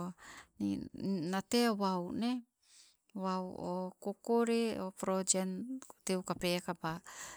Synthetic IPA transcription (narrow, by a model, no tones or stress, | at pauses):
ninateawawne | wawokokoɾeopɾod͡ʒentewkapekaba